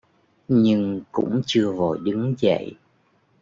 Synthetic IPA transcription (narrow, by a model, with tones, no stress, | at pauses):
ɲɨ˧ŋkʊ̰˧˥ŋ͡mt͡ɕɨ˧əvo˨˩jɗɨ˨˦ŋzə̰˧˨j